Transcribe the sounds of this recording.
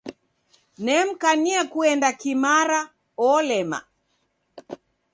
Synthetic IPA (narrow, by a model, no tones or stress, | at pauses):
nɛm̩kaniakuɛndakimaɾa | ɔlɛma̰